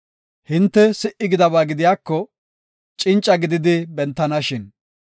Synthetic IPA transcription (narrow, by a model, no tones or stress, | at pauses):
hɪnt̪ːɛsɪʔɪɡɪd̪ɐβaːɡɪd̪ɪjaːkːɔ | t͡ʃʼɪnt͡ʃʼːɐɡɪd̪ɪd̪ɪbɛnt̪ːɐnɐʃɪn